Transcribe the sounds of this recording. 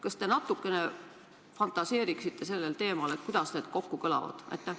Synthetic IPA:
kɑst̪e̞nɑt̪ːˑukːˑe̞ne̞ | fɑnt̪ːˑɑse̞ːɾiksit̪ːe̞se̞lːe̞lt̪e̞ːmɑlet̪̚kud̪̥ɑsne̞ːd̪̥ko̞kːukɤlɑ̰vɑ̰d̪̥ɑ̰jt̪ːˑe

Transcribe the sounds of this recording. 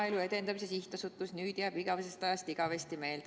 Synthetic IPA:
elue̞t̪e̞nd̪ɑmisesiht̪ɑsut̪ːˑusnyːd̪̥jæːb̥iɡ̥ɑvesest̪ɑjɑst̪iɡ̥ɑvest̪ime̞ːl

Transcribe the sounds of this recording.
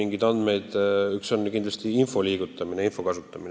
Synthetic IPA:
iŋɡid̪ɑnd̪̥me̞jd̪̥yksonkind̪lɑst̪iinfo̞liːɡ̥ut̪ːˑɑmineinfo̞kɑsut̪ˑːɑmine

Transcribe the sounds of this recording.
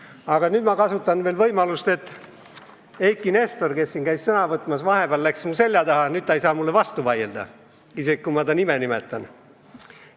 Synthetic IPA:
ɑɡɑnyːd̪mɑkɑsut̪ːˑɑnvelvɤjmɑlust̪e̞t̪ːˑ | ejkːˑine̞st̪orke̞sːinkæjssɤnɑvɤt̪ːˑmɑsvɑɦe̞b̥eɑlːlæksmuse̞lʲjɑd̪ɑhɑnyd̪̚t̪ːɑejsɑːmulːevɑst̪uvɑjeld̪̥ɑ̰ | isekkumɑt̪ɑnimenime̞t̪ːˑɑn

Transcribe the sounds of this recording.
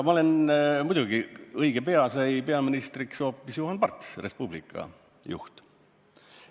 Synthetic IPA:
mɑole̞nmujd̪̥ʲuɡiɤjɡ̥e̞pe̞ɑsɑjpe̞ɑminist̪rikso̞ːpːˑisjuɦɑnpɑrt̪ˑsre̞spublikːˑɑ̰ | jṵht̪

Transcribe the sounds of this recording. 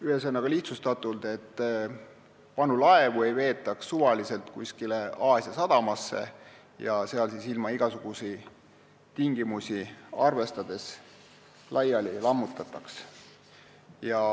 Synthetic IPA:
yhes̬ɤnːɑɡ̥ɑliht̪sust̪ɑt̪ːˑuld̪e̞t̪ˑː | pɑnulɑe̞vue̞jve̞ːt̪ːˑɑksːuvɑlise̞lt̪kuskileɑːsjɑsɑd̪̥ɑmɑsːe̞̰ | jɑse̞ɑlsiːsilmɑiɡ̥ɑsuɡ̥usi | t̪iŋɡ̥imusʲiɑrve̞st̪ɑd̪̥e̞s | lʔɑjɑlilɑmːut̪ːˑɑt̪ːˑɑks | jɑ

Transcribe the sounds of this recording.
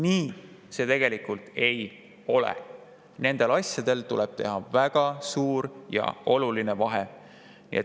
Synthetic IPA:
niːse̞t̪e̞ɡ̥e̞likˑult̪ˑe̞j | o̞lḛ | ne̞nd̪̥e̞lɑsjɑd̪̥e̞lt̪uleb̥̚t̪e̞̰ɦɑvæɡ̥ɑsuːɾjɑ̰o̞luline̞vɑɦe | nḭet̪

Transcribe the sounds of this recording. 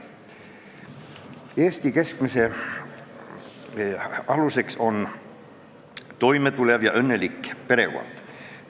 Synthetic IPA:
eːst̪ike̞skmise̞ | ɑluse̞kso̞n | t̪o̞jme̞t̪ulevjɑʔɤnːe̞likːˑpe̞ɾe̞̰ko̰nd̪̥

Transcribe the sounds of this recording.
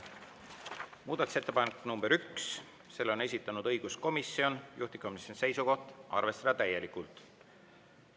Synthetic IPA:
muːd̪ɑt̪u̥se̞t̪ːepɑnekːˑnumb̥eɾyks | se̞lːo̞ne̞sʲit̪ːˑɑnud̪ɤjɡ̥usko̞misːio̞njʔuht̪ikɑmisense̞jsuko̞ht̪ˑʔɑ̰rve̞st̪ɑd̪̥ɑt̪æje̞likːˑult̪ˑ

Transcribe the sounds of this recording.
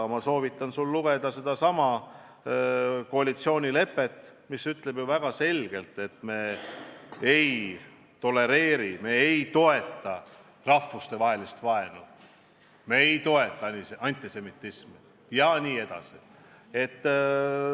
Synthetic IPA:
mɑso̞ːvit̪ːˑɑnsulːuɡ̥e̞d̪ɑse̞d̪̥ɑsɑmɑ | ko̞ɑlʲit̪sio̞ːnʲile̞pːˑet̪ːˑ | misyt̪ˑle̞b̥juvæɡ̥ɑse̞lʲɡ̥e̞lt̪ˑe̞t̪me̞ | ej | t̪o̞lːe̞ɾe̞ːɾime̞ejt̪o̞e̞t̪ːˑɑ | rɑfːust̪e̞vɑɦe̞list̪vɑe̞nu | me̞ejt̪o̞e̞t̪ːˑɑniseɑnʲt̪ˑise̞mit̪ˑːismi | jɑniːe̞d̪̥ɑ̰si | e̞t̪ː

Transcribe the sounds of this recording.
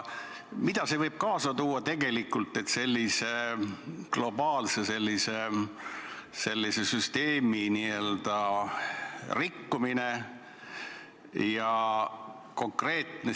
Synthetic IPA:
mid̪ɑse̞vɤjb̥̚kɑːsɑt̪uːɑt̪e̞ɡ̥e̞likːˑult̪ˑːe̞t̪se̞lʲːise̞ | ɡ̥lo̞bɑːlsese̞lʲːise | se̞lʲːisesyst̪e̞ːminiø̞ld̪̥ɑ | rikːumine̞ | jɑ | ko̞ŋkre̞ːt̪ne

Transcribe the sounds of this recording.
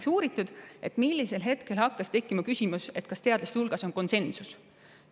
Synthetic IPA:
ksuːɾit̪ːˑud̪̥e̞t̪milːise̞lɦe̞t̪ke̞lhɑkːɑst̪e̞kːˑimɑkysʲimuse̞t̪̚kɑst̪e̞ɑd̪lɑst̪hulɡ̥ɑso̞nko̞nse̞nsus

